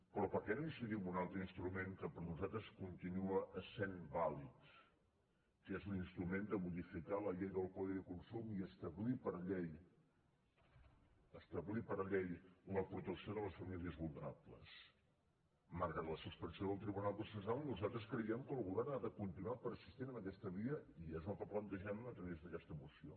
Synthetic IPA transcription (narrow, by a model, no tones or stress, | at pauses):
pɾɔpəɾkɛnoinsiðimunalˠt̪ɾəinst̪ɾumeŋkəpəɾnuzat̪ɾəskunt̪inuəʔəsembalit̪ | kezuninst̪ɾumend̪əmuðifikaləʎejðəlˠkɔðiðəkunsumiəst̪əβlipəɾʎej | əst̪əβlipəɾʎejuləpɾut̪əksioðələsfəmiliəzβulˠnəɾaplə̰s | maɾɣɾat̪ləsuspɾənsioðəlˠt̪ɾiβunalˠpɾusəzɾalˠnuzalˠt̪ɾəskɾəiɛmkəlˠɣuβɛɾnaðəkunt̪inuwapəɾəsist̪inənəkɛst̪əβiəiezət̪aplənt̪əʒannəːt̪ɾəβezðəkɛst̪əmusio